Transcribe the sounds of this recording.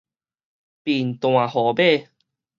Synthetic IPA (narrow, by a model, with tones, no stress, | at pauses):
pi˨˩n˨t̪w̃ã˨˩hɔ˨˩˦be˥˨